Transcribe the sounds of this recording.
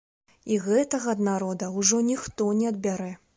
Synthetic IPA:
iɣɛt̪ɐɣɐːd̪naɾɔd̪ɐwʐɔnʲixt̪ɔnʲɛɐd̪̚bʲaɾɛ

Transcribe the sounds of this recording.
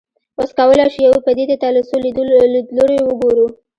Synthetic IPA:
waskawəlajʃujawpəd̪ed̪et̪ɑlɪsolid̪d̪loɽewəɡoɾu

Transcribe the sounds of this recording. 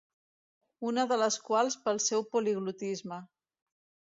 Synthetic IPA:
unəðələskwalˠspəlˠsɛwpuliɣlut̪izmə

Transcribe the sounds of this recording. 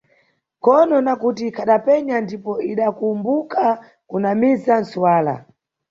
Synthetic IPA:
kɔnɔnakutikʰaɗapɛɲandipɔiɗakumbuka | kunamizan̩suwaːla̰

